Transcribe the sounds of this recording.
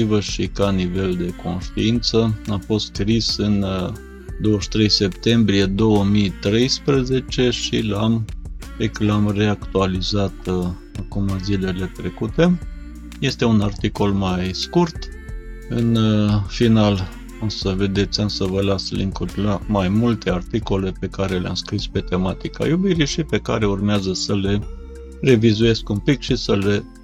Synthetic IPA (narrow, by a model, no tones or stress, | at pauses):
ivəʃikanive̞ld̪e̞ko̞nʃt̪uint̪səamfo̞st̪skɾisɨn | d̪o̞wəʃt̪ɾe̞jse̞pt̪e̞mbɾije̞d̪o̞wəmit̪ɾe̞jspɾəze̞t͡ʃe̞ʃilam | eklamre̞akt̪ualizat̪ | akumazile̞le̞t̪ɾe̞kut̪e̞ | je̞st̪e̞unart̪iko̞lmajskurt̪ | ɨnfinal | osəve̞d̪e̞t̪sʲamsəvəlaslḭŋkurʲlamajmult̪e̞art̪iko̞le̞pe̞kaɾe̞lea̰mskɾispe̞t̪e̞mat̪ika̰jubiɾiʃipe̞ka̰ɾe̞urmeazəsəle̞ | re̞vizuje̞skunpikʃisəle̞